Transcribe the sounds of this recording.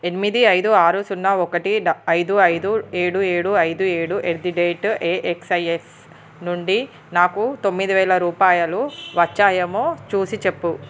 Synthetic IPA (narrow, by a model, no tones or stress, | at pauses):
e̞nimid̪iɐjd̪uaːɾusunːɐɔkɐʈiɐjd̪uɐjd̪ueːɽueːɽuɐjd̪ueːɽuʔeɾd̪iɖeːʈeːʔeksɐjes | nuɳɖi | naːkut̪omːid̪iʋɛːlɐɾuːpaːjɐluʋɐt͡ʃːaːjɐmoːt͡ʃuːsit͡ʃe̞pːu